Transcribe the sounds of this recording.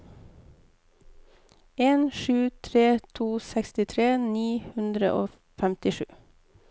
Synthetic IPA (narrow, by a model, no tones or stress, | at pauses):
eːnʃʉːt̪ʰɾeːt̪ʰuːsɛkst̪ɪt̪ʰɾeːniːhʉnd̪ɾə̰ʔoː | fæmt̪ɪʃʉ̰ː